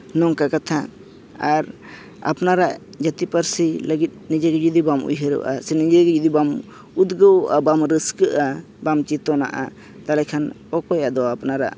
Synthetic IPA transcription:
nɔŋkakat̪ʰa | aɾ | a̰pnaɾaʔ | d͡ʒət̪ipəɾsiləɡit̪̚nid͡ʒɛɡɛd͡ʒud̪ibamṵjɦəɾə̰wʔa̰sɛnid͡ʒɛɡɛd͡ʒud̪ibam | ud̪ɡəwʔabamɾəskəʔa | bamt͡ʃit̪ɔna̰ʔa̰ | t̪alɛkʰan | ɔkɔjad̪ɔapnaɾa̰ʔ

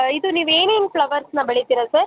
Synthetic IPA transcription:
id̪uniːʋeːneːnpɭɐʋɐɾsnɐbɐɭit̪iɾɐsɐɾ

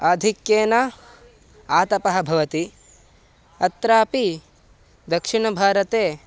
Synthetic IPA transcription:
ad̪ʱikjeːnɐ | aːt̪ɐpɐɦɐbʱɐʋɐt̪i | ɐt̪ɾaːpi | d̪ɐkʂiɳɐbʱaːɾɐt̪eː

